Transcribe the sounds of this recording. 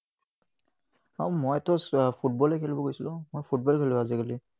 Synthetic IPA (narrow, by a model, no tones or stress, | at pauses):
aumɔjtɔspʰut̚bɔlɛkʰɛlibɔkojsilʊ̃mojpʰut̚bɔlkʰelɛazikali